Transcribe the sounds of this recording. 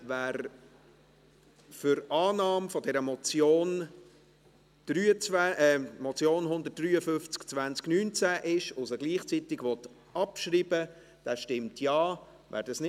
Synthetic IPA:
væːɾ | fʏɾɑːnɑːmfɔdɛɾəmɔt͡sjoːn | d̥ɾyːət͡svæɛmɔt͡sjoːnɦʊnd̪ət̚d̥ryːəfʏft͡skt͡svænt͡sknyːnt͡sæʔɪʃʊsəɡliːχt͡sitɪɡʋɔt̪ | ɑpʃɾiːbə | d̥æːʃtɪmtʰjɑː | væ̰ːɾd̥ɑsnɪ

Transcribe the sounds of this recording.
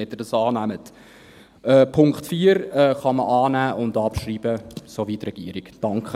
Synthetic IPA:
ɛt̪ədɑsɑːnæmət | ɛːpʰʊŋktfiːəɾɛːχɑməʔɑːnæːʔʊndɑpʃriːb̥əsovitrɛɡ̥ḭːɾiɡd̥ɑŋkχə

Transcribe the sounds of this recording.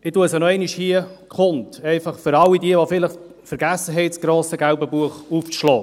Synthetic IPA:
ɪtuəsənɔɛɪniʃhiəkχʊntɛɪfɑχfʏɾɑlːidiəvofɪləχ | fəɾɡæsːəɦɛɪsɡ̥ɾoːsəɡaʊbəbuəχuft͡sʃlɔː

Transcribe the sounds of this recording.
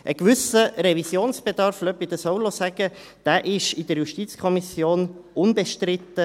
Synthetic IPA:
ʔəkʋʏsəɾɛvisjoːnsb̥ed̪ɑɾflœpid̥̪əsɔʊlosæɡ̥ə | d̪̥æːʔɪʃɪdəɾjuʃtit͡skʰɔmisjoːnʔʊnbeʃtrɪt̪ːə

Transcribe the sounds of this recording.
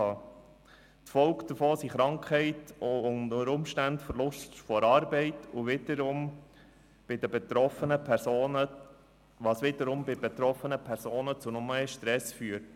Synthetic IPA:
ɑː | t̪fɔʊkd̪əfoːsiχɾɑŋkʰɛɪtʊnəɾʊmʃtæntfəɾlʊstfɔɾɑːɾbɛɪtʊʋɪd̪əɾʊm | b̥ɪd̪əbet̪ɾɔfənəpʰɛɾsoːnə | ʋɑːsʋɪd̪əɾʊmbɪbet̪ɾɔfənəpʰɛɾsoːnət͡sunɔməʃtɾɛsfyːəɾt

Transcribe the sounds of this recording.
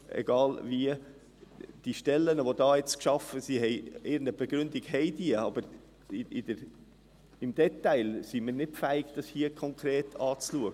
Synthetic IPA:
ʔɛ̰ɡ̥ɑːlviə | d̥iʃtɛlːənəʋodɑːjɛt͡skʃɑfəsiɦɛɪɪɾn̩əb̥ɛɡɾʉndiɡhɛɪd̥iəɑb̥əɾ | ɪd̥əɾ | ɪmd̥ɛtæɪlsiminɪtfæɪɡ̥d̥ɑshiəkʰɔŋkʰɾeːtʰɑːt͡sluəɡə

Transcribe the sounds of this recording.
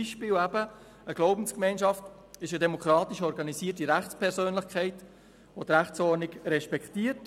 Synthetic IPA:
iʃpɪːlæbə | əɡ̥loʊbn̩skmɛɪnʃɑft | ɪʃədɛmokɾɑːt̪iʃɔɾɡɑnisiːətiɾæχt͡spʰɛɾsøːnlɪχkʰɛɪt | ʋot̪ɾæχt͡sɔɾniɡɾɛʃpɛktiːət

